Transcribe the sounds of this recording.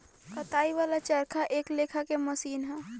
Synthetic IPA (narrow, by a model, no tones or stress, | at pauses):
kət̪aːiʋalat͡ʃəɾkʰaʔeːkleːkʰakeməsiːnɦɛ̃